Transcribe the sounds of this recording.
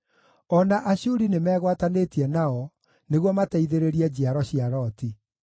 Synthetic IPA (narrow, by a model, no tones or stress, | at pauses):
ɔnaʔaɕuɾinemɛːɣwatanetiɛnaɔ | neɣwɔmataiðeɾeɾiɛd͡ʑiaɾɔɕiaɾɔti